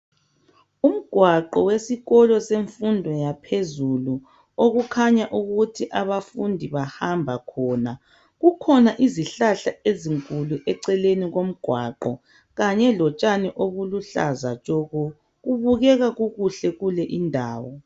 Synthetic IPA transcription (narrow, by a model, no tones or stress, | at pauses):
um̩ɡ̥ʱwaǃɔwesiɣɔlɔseɱfundʱɔjapʰezulu | oɣukʰaɲaʔuɣutʰiʔaβafundʱiβahambʱakʰɔːna | ɣukʰɔnaʔiziɬaɬaeziŋkʼuluʔɛǀɛleniɣom̩ɡ̥ʱwaǃɔ | ɣaɲɛlɔt͡ʃʼanɛʔoβuluɬa̰zat͡ʃʼɔɣɔ | ɣuβuɣɛɣaɣuɣuɬɛɣulɛʔindʱaːwɔ